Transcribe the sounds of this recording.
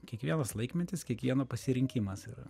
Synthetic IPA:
kʲiɛkʋʲiɛnɐslˠɐɪkmʲɛnt̪ʲɪskʲiɛkʋʲiɛnoːpɐsʲɪɾʲɪŋʲkʲɪmɐsiːɾɐ̰

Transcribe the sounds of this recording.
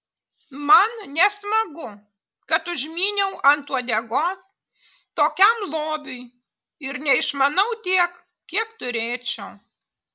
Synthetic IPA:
mɐnnʲɛsmɐɡʊ | kɐt̪ʊʒʲmʲiːnʲɛʊʔɐnt̪uɔd̪ʲɛɡoːs | t̪oːkʲɛmlˠoːbʲʊj | ɪɾnʲɛɪʃmɐnɐʊt̪ʲiɛk | kʲiɛkt̪ʊɾʲeːt͡ʃʲɛʊ

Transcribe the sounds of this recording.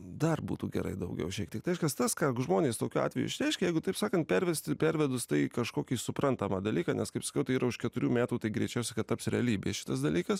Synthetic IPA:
d̪ɐrbṵːt̪uːɡʲɛ̰ɾɐ̰ɪd̪ɐʊɡʲɛ̰ʊʃʲɛːkt̪ʲɪkt̪ɪɛɪʃkɐst̪ɐskɑːʒmoːnʲeːst̪oːkʲuɑ̰ːt̪ʲʋʲɛjṵɪʃɾʲɛɪʃʲkʲɛjɛɪɡʊt̪ɐɪpsɑːkɐnt̪̚pʲæɾʲʋʲɛsʲt̪ʲɪpʲæɾʲʋʲɛd̪ʊst̪ɐɪkɐʃkoːkʲiːsʊpɾɐnt̪ɐmɐd̪ɐlʲiːkɐːnʲɛskɐɪpsɐkʲɛʊt̪ɐɪiːɾɐʊʃkʲɛt̪ʊɾʲuːmʲæːt̪uːt̪ɐɪɡɾʲɛɪt͡ʃʲɛʊsʲɛkɐt̪t̪ːɐpsɾʲɛɐlʲiːbʲeːʃʲɪ̥t̪ɐsd̪ɐlʲiːkɐs

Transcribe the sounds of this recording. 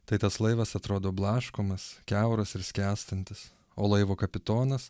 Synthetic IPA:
t̪ɐɪt̪ɐslˠɐɪʋɐsɐt̪ɾoːd̪oːblˠɑːʃkomɐskʲæʊɾɐsɪɾsʲkʲæːst̪ɐnʲt̪ʲɪs | oːlˠɐɪʋoːkɐpʲɪt̪oːnɐs

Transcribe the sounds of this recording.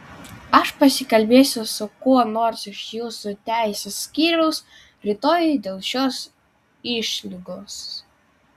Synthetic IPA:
ɐʃpɐsʲɪkɐlʲbʲeːsʲʊsʊkuɔnoːɾsɪʃjuːsut̪ʲæˑɪsʲeːsːʲkʲiːɾʲʊʊs | ɾʲɪt̪oːjd̪ʲeːlˠʃʲoːs | ɪʃʲlʲɪɡoːs

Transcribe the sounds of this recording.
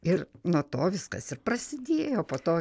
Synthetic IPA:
ɪrnuɔt̪oːʋʲɪskɐsɪrprɐsʲɪd̪ʲeːjoːpoːt̪oː

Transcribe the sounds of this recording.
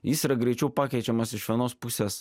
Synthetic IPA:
jɪsiːɾɐɡɾʲɛɪt͡ʃʲɛʊpɑːkʲɛɪt͡ʃʲɛmɐsɪʃʋʲiɛnoːspʊsʲes

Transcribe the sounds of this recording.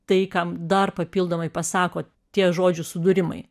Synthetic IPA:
t̪ɐɪkɐmd̪ɐrpɐpʲiːlˠd̪oːmɐɪpɐsɑːkoː | t̪ʲiɛʒoːd͡ʒʲʊsʊd̪ʊɾʲɪmɐ̰ɪ

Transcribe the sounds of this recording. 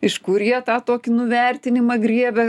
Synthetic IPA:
ɪʃkʊrjiɛt̪ɑːt̪oːkʲɪnʊʋʲɛrʲt̪ʲɪnʲɪmɐɡɾʲiɛbʲɛ

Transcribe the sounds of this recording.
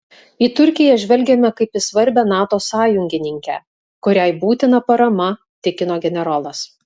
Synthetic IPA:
iːt̪ʊɾʲkʲɪjɛʒʲʋʲɛlʲɡʲɛmʲɛkɐɪpɪsʋɐɾʲbʲɛnɑːt̪oːsɑːjʊŋʲɡʲɪnʲɪŋʲkʲɛ̰ | kʊɾʲæɪbuːt̪ʲɪnɐpɐɾɐmɐ | t̪ʲɪkʲɪnoːɡʲɛnʲɛɾoːlˠɐs

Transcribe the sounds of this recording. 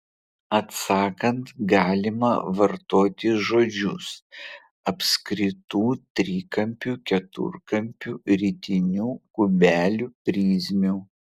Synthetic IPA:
ɐt̪sɑːkɐnt̪ɡɑːlʲɪmɐ̰ʋɐɾt̪oːt̪ʲɪʒoːd͡ʒʲʊs | ɐpʲsʲkɾʲɪt̪uːt̪ʲɾʲiːkɐmʲpʲuːkʲɛt̪ʊ̰ɾkɐmʲpʲuːɾʲiːt̪ʲɪnʲuːkʊbʲæːlʲuːpʲɾʲiːzʲmʲuː

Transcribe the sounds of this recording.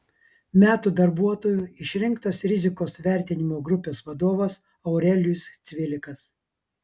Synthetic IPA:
mʲæːt̪uːd̪ɐɾbuɔt̪oːjuˑɪʃʲɾʲɪŋˑkt̪ɐsɾʲɪzʲɪkoːsʋʲæˑɾʲt̪ʲɪnʲɪmoːɡɾʊpʲeːsʋɐd̪oːʋɐs | ɐʊɾʲɛlʲʊst̪sʲʋʲɪlʲɪkɐs

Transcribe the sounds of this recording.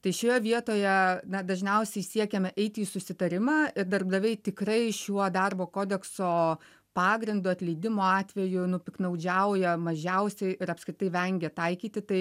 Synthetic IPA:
t̪ɐɪʃʲoːjɛʋʲiɛt̪oːjɛnɐd̪ɐʒʲnʲɛʊsʲɛɪsʲiɛkʲɛmʲɛʔɛɪt̪ʲiːsʊsʲɪt̪ɐɾʲɪmɑːɪrd̪ɐrbd̪ɐʋʲɛɪt̪ʲɪkrɐɪʃʲuɔd̪ɑrboːkoːd̪ʲɛksoː | pɑːɡɾʲɪnd̪ʊɐt̪ʲlʲɛɪd̪ʲɪmoːɑːt̪ʲʋʲɛjʊnʊpʲɪknɐʊd͡ʒʲæʊjɛmɐʒʲɛʊsʲɛɪʔɪɾɐpskɾʲɪt̪ɐɪʋʲɛŋʲɡʲɛt̪ɐɪkʲiːt̪ʲɪt̪ɐɪ

